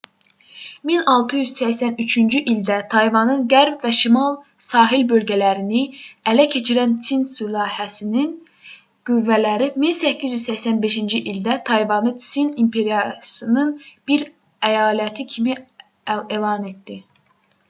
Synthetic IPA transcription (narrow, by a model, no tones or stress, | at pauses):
minɑlˠt̪ʰɯjyzsæçsænyt͡ʃʰynd͡ʒyʔild̪æt̪ʰɑjvɑnɯnɡæɾbvæʃimɑlˠ | sɑːɦilbø̞lɟælæɾiniælæcʰe̞t͡ʃʰiɾænt͡s̪ʰinsulˠɑːhæsinin | ɡ̥yvːælæɾiminsæcʰːizjyzsæçsænbe̞ʃind͡ʒiʔild̪æt̪ʰɑjvɑnɯt͡s̪inimpʰe̞ɾijɑsɯnɯnb̥iɾ | æjɑːlæt̪ʰicʰimi | elˠɑne̞t̪̚d̪̥i